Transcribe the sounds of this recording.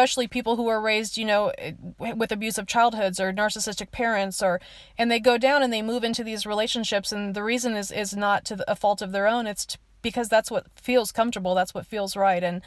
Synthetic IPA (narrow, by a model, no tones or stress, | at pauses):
pɛʃl̩ˠipʰipl̩ˠɦuə˞ɹeɪzdjɨnoʊwɨðɨbjʉzʌv̥t͡ʃʰaɪlˠd̚hʊdzə˞nɑɹsɨsɪstɨk̚pʰɛɹɨ̃ntsə˞ | ɨ̃nðeɪɡoʊdãʊ̃nɨ̃nðeɪmuvɪ̃ntʉðizɹileɪʃɨ̃nʃɪpsɨ̃nðɨɹizɨ̃nɪzɪznətʰɨəfɔlˠtʌvðə˞õʊ̃nɨtsʰ | b̥ɨkʰʌzðætswʌtfilˠz̥kʰʌ̃ɱftə˞bl̩ˠðætswʌtfilˠzɹaɪɾɨ̃n